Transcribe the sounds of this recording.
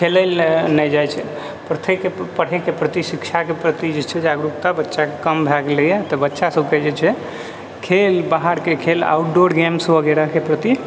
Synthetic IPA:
kʰeləlnəd͡ʒajt͡ʃʰɛ | pɾət̪ʰekepəɽ̤ɛkepɾət̪isikt͡ʃʰakepɾət̪id͡ʒet͡ʃʰɛd͡ʒaɡɾukt̪abətːʃakekəmbʱɛɡlejet̪əbətːʃasəb̚ked͡ʒet͡ʃʰɛ | kʰelbaɦaɾkekʰela̰uʈ̚ɖoɾɡemsbəɡeɾakepɾət̪i

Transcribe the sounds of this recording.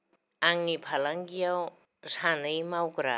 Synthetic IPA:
aŋnipʰalaŋɡiaw | shanejmawɡɾa

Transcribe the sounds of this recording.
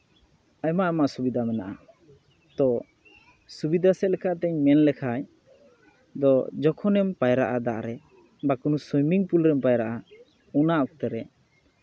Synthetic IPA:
ajmaʔamaʔsubid̪ʱamɛnaʔa | t̪ɔ | subid̪ʱasɛlɛkʰaʔt̪ɛɲmɛnlɛkʰaɲ | d̪ɔd͡ʒɔkʰɔnɛmpajɾaʔad̪aʔɾɛ | bakunusɔjmiŋpulɾɛmpajɾaʔa | unaʔɔk̚t̪ɛɾɛ

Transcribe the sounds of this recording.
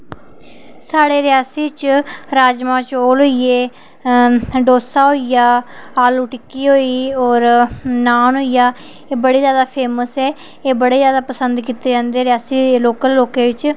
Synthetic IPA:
saːɽeːɾɪjaːsiːt͡ʃɾaːd͡ʒmãːt͡ʃoːlɦoːieː | ɖoːsaːɦoːijaːaːluːʈɪkːiːɦoːiːɔːɾnaːnɦoːijaː | eːbəɽeːzjaːd̪aːpʰeːməsɛː | eːbəɽeːzjaːd̪aːpəsənd̪kiːt̪eːd͡ʒãːnd̪eːɾɪjaːsiːloːkəlːoːkeːʋɪt͡ʃ

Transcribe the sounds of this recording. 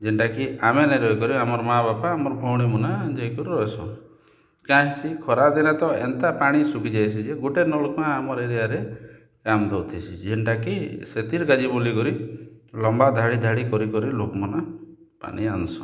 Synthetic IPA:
d͡ʒenʈakiameneɾɔjkɔɾiamɔɾɔmaabapaːmɔɾɔbʱɔwɽ̃imunad͡ʒejkɔɾiɾɔesʰɔ̰ | kãɦisikʰɔɾad̪inat̪ɔḛnt̪apaɽ̃isukid͡ʒajsʰid͡ʒeɡuʈenɔlukmãːmɔɾeɾiaɾe | kamd̪owt̪ʰit͡ʃʰid͡ʒenʈakiset̪iɾkad͡ʒibulikɔɾilɔmbad̪ʱaɽid̪ʱaɽikɔɾikɔɾilokmɔna | pa̰ɽ̃iansɔ̥

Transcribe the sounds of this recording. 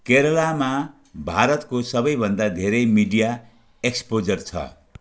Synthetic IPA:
keɾʌlama | bʱaɾʌt̪kosʌbʌjbʱʌnd̪ad̪ʱeɾʌjmiɖija | ekspod͡zʌrt͡sʰʌ̰

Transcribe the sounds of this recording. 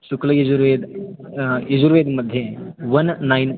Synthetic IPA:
ʃuklɐjed͡ʒuɾʋeːd̪ | ed͡ʒuɾʋeːd̪mɐd̪ʱjɐʋɐnːɐjn

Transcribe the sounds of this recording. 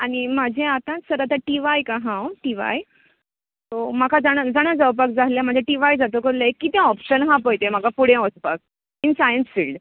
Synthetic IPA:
añimad͡ʑʱẽat̪ãsəɾat̪ãʈiʋajkaɦãwʈiʋa̰j | t̪omakʰad͡zaɽ̃ad͡zaɽ̃ad͡zəwp̬ak̚d͡zaljam̤əɳd͡zʱeʈiʋajd͡zat̪okəɾləekːit̪jãɔpɕənɦãpəjt̪em̤akapuɽ̤ẽɔspak̚ | insajənsfiːlɖ

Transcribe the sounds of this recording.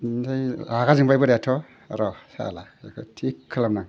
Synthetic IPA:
zajaɡazɯŋpajbɯɾajatʰɔ | aɾɔsa̰lakɯtʰikʰːɯlamnaŋ

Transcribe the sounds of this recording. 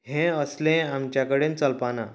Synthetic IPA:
ɦẽəslẽamt͡ɕjakəɽẽnt͡səlpana

